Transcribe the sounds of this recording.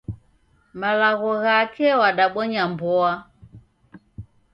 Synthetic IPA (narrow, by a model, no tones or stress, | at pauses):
malaɣɔɣakɛwaɗaɓɔɲambɔa